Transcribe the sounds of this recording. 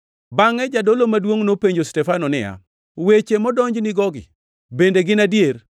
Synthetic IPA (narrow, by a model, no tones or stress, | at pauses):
baŋɛd͡ʒadolomadwoŋnopeɲd͡ʒostɛfanɔnɪja̰ | wet͡ʃemɔdɔɲd͡ʒnɪɡɔɡɪ̰ | bendeɡɪnadjeɾ